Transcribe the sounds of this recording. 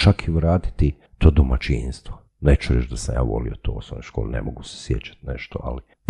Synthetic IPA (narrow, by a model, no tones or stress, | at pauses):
t͡ʃakʰiʋɾaːt̪i̥t̪i | t̪oːd̪omat͡ʃinst̪ʋo | net͡ʃuɾet͡ʃd̪asamja̰ːʋo̞̰lijot̪ʰoːosomnojʃko̞ːlenḛmoɡuse̥sjet͡ʃḁt̪nḛʃt̪oali | p